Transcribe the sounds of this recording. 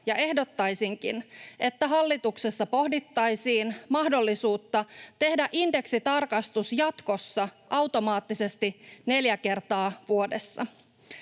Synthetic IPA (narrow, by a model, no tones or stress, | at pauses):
jɑʔe̞hdo̞t̪ːɑjsiŋkḭnʔe̞t̪ːæɦɑlːit̪uksesːɑpo̞hdit̪ːɑjsiːnmɑhdo̞lːisuːt̪ːɑt̪e̞hdæʔinde̞ksit̪ɑrkɑst̪usjɑt̪ko̞sːɑʔɑwt̪o̞mɑːt̪ːise̞st̪ine̞ljæke̞rt̪ɑːʋuo̞desːɑ̰